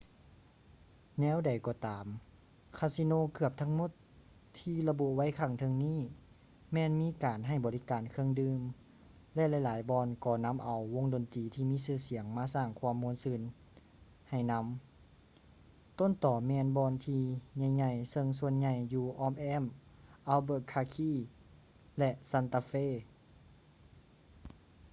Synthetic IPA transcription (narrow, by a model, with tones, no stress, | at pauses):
nɛː˧˥˨wda˨˩jkɔː˧˦t̪aː˨˩m | kʰa˧˩si˧noː˧˥˨kɯ˧˩əp̚t̪ʰa˧˥ŋmo˧˥˦t̪ʰː | iː˧la˧bu˧wa˧˥˨jkʰa˧˩ŋt̪ʰɤ˧ŋniː˧˥˨ | mɛː˧˥nmiː˧˥˨kaː˨˩nɦa˨˩jbɔː˨li˦˥kaː˨˩nkʰɯ˧əŋdɯː˧m | lɛ˧˥ʔla˧˩jlaː˨˦jbɔː˧nkɔː˧˩na˧˥˨mʔa˨˩wwo˧˥ŋdoː˨˩nt̪iː˨˩t̪ʰiː˧˨miː˧˥˨sɯː˧˩si˨˦əŋmaː˧saː˧˩ŋkʰwa˧ə˨mːoː˧˥˦nsɯː˧˩˨n | ha˨˩jna˧˥m | t̪o˧˥˨nt̪ɔː˨˩mɛː˧nbɔː˧˨nt̪ʰiː˧ɲa˧˩jɲa˧˩jsɤ˧ŋs̬u˧ənɲa˧˩jːuː˧˩ʔɔː˧˥mʔɛː˧˥˨mʔaː˧wbɤː˧˩kʰːaː˧kʰiː˧˩ | lɛ˧ʔsa˧˨nt̪aː˧feː˧˥˨